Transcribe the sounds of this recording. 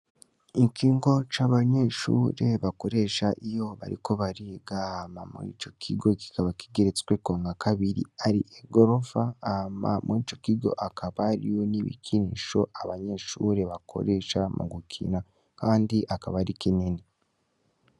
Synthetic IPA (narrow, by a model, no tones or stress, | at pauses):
ikʰiːŋɡo̞t͡ʃaːβaɲe̞ʃṵɾe̞βako̞ɾe̞ʃaʔijo̞βa̰ɾḭko̞βaɾiɡamamuḭt͡ʃo̞kʰiɡo̞ki̥kaβaki̥ɡeɾet͡skwekoːŋɡakʰaβiɾḭaɾḭʔeɡoɾo̞faːma̰muit͡ʃo̞kiɡo̞̰ʔakʰaβaɾḭjo̞niβḭkʰiniʃo̞ʔaβaɲe̞ʃuɾe̞βakʰo̞̰ɾe̞ʃamṵɡukʰḭna | kaːndiʔakaβaɾikiniːni